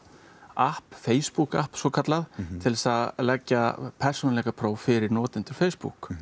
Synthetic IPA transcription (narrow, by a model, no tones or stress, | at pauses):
ahpfeːjspuka̰hpsɔkʰat̪laðt̪ʰɪlsaðlɛcːapʰɛr̥sunalɛɣapʰɾoːwfɪɾɪɾnɔːt̪ɪnt̪ʏɾfeːjspṵk